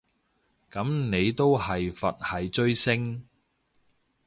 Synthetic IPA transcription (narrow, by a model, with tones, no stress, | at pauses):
kɐ˨˥mne˨˧jt̪o˥whɐ˨jfɐ˨t̚hɐ˨jt͡ʃɵ˥ɥsɪ˥ŋ